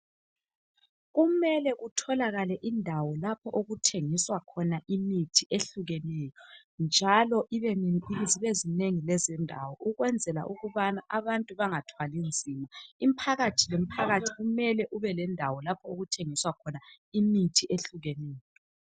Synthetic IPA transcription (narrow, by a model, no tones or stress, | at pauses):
ɣumɛlɛɣutʰɔlaɣalɛʔindʱawɔlapʰɔʔoɣutʰeŋiswakʰɔnaʔimitʰiʔeɬuɣɛnɛjɔ | nd͡ʒʱalɔʔiβɛziβezineŋilɛzɛndʱawɔʔuɣwɛnd͡zʱɛla̰ʔuɣuβanaʔaβantʼuβaŋatʰwalind͡zʱimaimpʰaɣatʰilem̩pʰaɣatʰiɣumɛlɛʔuβɛlɛndʱawɔlapʰɔoɣutʰeŋiswakʰɔna | imitʰiʔeɬuɣɛnɛːjɔɔ